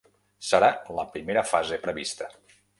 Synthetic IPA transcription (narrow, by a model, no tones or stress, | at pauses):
səɾaləpɾimeɾəfazepɾəβḭst̪ə